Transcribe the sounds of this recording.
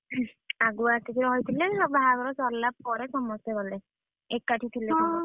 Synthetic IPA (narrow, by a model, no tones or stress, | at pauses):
aɡuatit̪ʰiɾɔɦojt̪ʰilɛbʱaɦaɡɔɹɔsɔlːapɔɾɛsɔmɔsɔbalɛ | ekːatʰit̪ʰilɛɔ